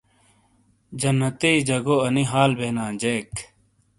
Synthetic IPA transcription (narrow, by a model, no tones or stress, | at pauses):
d͡ʑɐnːɐt̪ed͡ʑɐɡoɐniɦaːlbeːnãːd͡ʑeːk